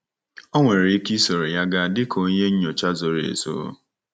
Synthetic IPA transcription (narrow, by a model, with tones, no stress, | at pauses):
ɔ˦ŋʷe˨ɾe˨i˦ki˦so˨ɾe˨ja˦ɡa˦˨dɪ˦kʰo˦ɲe˦ɲ̩˦ɲo˨t͡ʃa˦zo˨ɾḛ˨zo̰˦